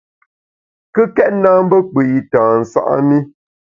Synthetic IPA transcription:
kə˦kɛ˦t̚naː˦m̩˦bə˦k͡pə˨i˨tãː˨n̩˨sa̰˦˨ʔa̰˦ni˦

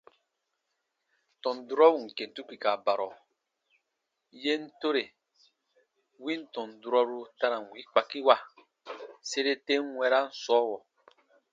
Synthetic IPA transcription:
tɔ̃˨n˨du˦ɾɔ˦wu˨ŋ̩˨ke˨n˨tu˦ki˨ka˨ba˨ɾɔ˨ | je˦n̩˦to˦ɾe˨ | wĩ˦n˦tɔ̃˨n˨du˨ɾɔ˦ɾu˧ta˧ɾã˨n˨wi˨˦k͡pa˨ki˦wa˦ | se˦ɾe˦te˦ŋ˦wɛ˧˦ɾa˦n̩˦sɔː˦wɔ˨

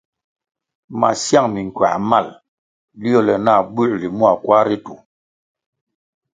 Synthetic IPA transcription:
ma̰˨sja˦˨ŋmi˨ŋ˨kɥa̰˨ma˦˨l | li˦ɔ˦˨lɛ˨na˦˨bʉ˦˨ʔli˨mwa˨kwa˦ɾi˦tu˨

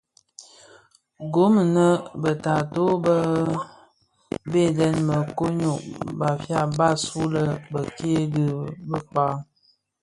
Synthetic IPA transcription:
ɡo˨˦m˨nə˦bə˨ta˨to˦bə˦ | be˦˨dɛ˦nmə˨ko˦ɲo˨ʔba˨fja˦˨ba˦˨su˦lə˦bə˨ki˦e˦də˦bə˦k͡pa˦

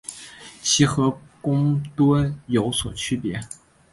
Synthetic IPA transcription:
t͡ɕʰi˧˥xɤ˧˥kʊ˥ŋt̪wə˥njo˧˥ʊswɔ˨˩t͡ɕʰy˥pjɛ˧˥

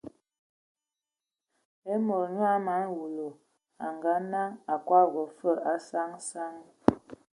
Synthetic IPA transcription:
e˦mo˨ɾɲwa˦ma˨˦nwu˨lo˨ | a˨ŋɡa˨˦na˦ŋa˨kwa˦˨ɣə˨fə˦˨a˨˦sa˦ŋsa˦ŋ

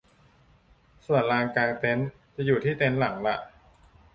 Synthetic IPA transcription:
su˨˩ənlaː˧ŋkaː˧ŋt̪e˦˥n | t͡ɕa˨juː˨˩t̪ʰiː˥˩t̪e˦˥nla˩˦ŋla˨˩ʔ

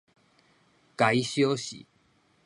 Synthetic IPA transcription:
ka˨˦i˦ɕjo˦ɕḭ˨˦

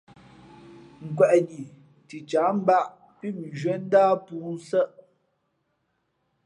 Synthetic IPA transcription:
ŋ̩˨kwɛ˨ʔɲi˨ | ti˨t͡ʃa˨˦m̩˦ba˦˨ʔ | pi˦˨m˨ʒwɛ˦n̩˦daː˦puː˨˦n˦sə˦ʔ

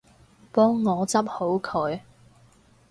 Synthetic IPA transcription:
pɔː˥ŋːɔː˨˧t͡sɐ˥p̚ho˨˥wkʰɵ˨˧ɥ

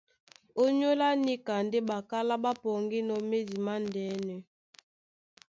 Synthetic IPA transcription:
o˦ɲo˦la˦ni˦ka˨n˦de˦ba˨ka˦la˦ba˦pɔ˨ŋɡi˦nɔ˨me˦di˨ma˦n˨dɛː˨˦nɛ˨

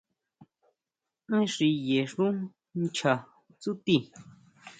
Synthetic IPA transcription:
ʔẽ˦ʂi˧je˨ʂũ˦ | nt͡ʃʰa˨ | t͡su˦t̪i˧

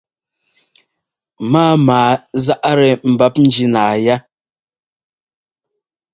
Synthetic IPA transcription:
maː˦maː˨˦za˦ʔɾɛ˨m̩˨ba˦p̚n̩˦d͡ʒi˦naː˨ja˦

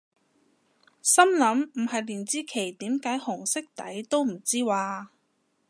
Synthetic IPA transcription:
sɐ˥mlɐ˨˥mm̩˨˩hɐ˨jliː˨˩nt͡siː˥kʰe˨˩jt̪iː˨˥mkaː˨˥jhʊ˨˩ŋsɪ˥k̚t̪ɐ˨˥jt̪o˥wm̩˨˩t͡siː˥waː˧

